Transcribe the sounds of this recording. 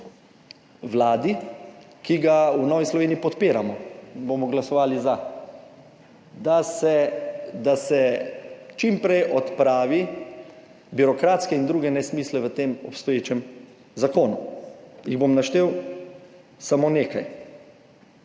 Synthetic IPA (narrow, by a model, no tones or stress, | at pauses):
ʋlaːd̪i | kiɡaunɔːʋislɔʋeːniːpɔt̪peːɾamɔbomɔɡlasɔʋaːliza | d̪aɛd̪asɛ | t͡ʃimpɾɛjʔɔt̪pɾaːʋi | biɾɔkɾaːt̪skɛind̪ɾuːɡɛnɛsmiːslɛʋət̪eːmɔ̰pst̪ɔjeːt͡ʃɛm | zakoːnujiɣbomnaʃt̪eːw | samoːneːka̰j